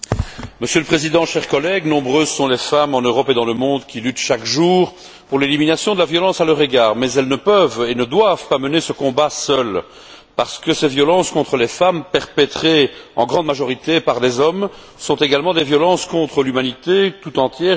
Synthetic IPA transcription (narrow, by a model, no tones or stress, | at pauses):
məsjøləpχezid̪ɑ̃ʃɛʁkɔlɛɡnɔ̃bʁøzsɔ̃lefamɑ̃nøʁɔped̪ɑ̃ləmɔ̃d̪kʲilyt̪ʃakʒuːʁ | puʁleliminasjɔ̃d̪əlavjɔlɑ̃salœʁeɡaːʁmɛzɛlnəpœvenəd̪wav̥pamənesəkɔ̃basœl | paʁsə̥kəsevjɔlɑ̃skɔ̃t̪χəlefampɛʁpɛt̪χeɑ̰̃ɡʁɑ̃d̪maʒɔʁit̪epaʁd̪ezɔm | sɔ̃t̪eɡalmɑ̃d̪evjɔlɑ̃skɔ̃t̪χəlymanit̪et̪ut̪ɑ̃t̪jɛː